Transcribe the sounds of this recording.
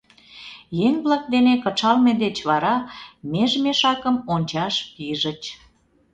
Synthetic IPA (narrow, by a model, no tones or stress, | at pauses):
jeŋβlɑk̚d̪enekət͡ʃɑlmed̪et͡ɕβɑɾɑmeʒmeʃɑkəmonʲt͡ɕɑʃpiʒə̆t͡ɕ